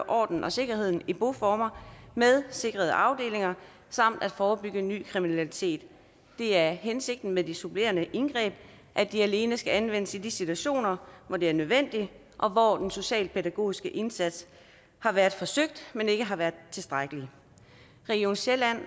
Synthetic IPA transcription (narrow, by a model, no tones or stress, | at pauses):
ʔɒ̰ːd̥n̩ʔɒ̽se̝ɡ̥ɐhe̝ð̞̰ˠn̩ib̥o̝fɒːmɐmeð̞ˠse̝ɡ̥ʁɐð̞̩ˠəʔɑ̈ʊd̥e̝̰ːle̝ŋɐ | sɑ̈m̰d̥æd̥fɒːb̥yɡ̥əny̰ːkʰʁiminælit͡sʰe̝̰ːd̥ː | e̝æɐɦense̝ɡ̥̚d̥n̩meðˠd̥isub̥le̝̰ːɐnəʔe̝nɡ̥ʁɛ̰ːb̥ | ʔæd̥iæle̝ːnəsɡ̥æænʋen̰əsid̥isit͡sʰuæɕo̝̰ːnɐʋɒd̥e̝æɐnøð̞ˠʋen̰d̥i | ʔɒ̽ʋɒd̥enso̝ɕɛ̰ːl̚pʰeɾæɡ̥o̝̰ːisɡ̥əʔe̝nsæd̥s | hɑ̈ʋæːɐðˠfɒ̽søɡ̥̚d̥mene̝ɡ̥əɦɑ̈ʋæːɐðˠt͡sʰe̝lsd̥ʁaɡ̥əli | ʁɛɡ̥io̝ːnɕelæn̰